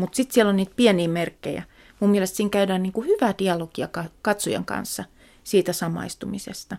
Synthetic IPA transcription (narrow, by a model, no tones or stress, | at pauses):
mut̪sit̪sielonniːt̪̚piɛniːmerkːḛjæ̰ | mumielest̪siːŋkæydæːnniːŋkuhyʋæd̪̥iɑlokiɑkɑkɑt̪sojɑ̰ŋkɑ̰nsːɑ | siːt̪æsɑmɑ̰ist̪umisḛst̪ɑ